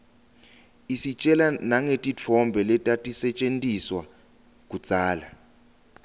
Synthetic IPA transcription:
isit͡ʃʼɛlanaŋetʼit͡fʰɔmbʱɛlɛtʼatʼisɛt͡ʃʼentʼiswa | k̬ʼu̥t͡sʼaːla

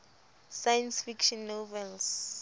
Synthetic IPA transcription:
sajansfikʃɔnːovɛls

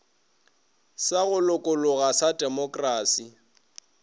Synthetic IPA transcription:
saɣʊlʊkʼʊlʊɣasadʼɛmɔkʼraːsi

